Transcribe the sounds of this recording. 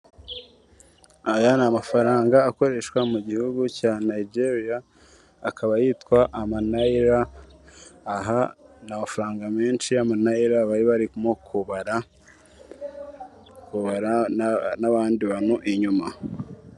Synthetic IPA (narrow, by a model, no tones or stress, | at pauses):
ajanamafaɾaːŋɡaːko̞ɾe̞ʃkwamuɟihuɡucaːnaid͡ʒe̞ɾijaː | kʰaβajiːtkwaʔamanaiɾaː | ɦanamafɾaːŋɡame̞ːnʃijamanaiɾaβaɾiβaɾikmokʰuβaɾa | kuβaɾanaβaːndiβan̥huʔiɲuma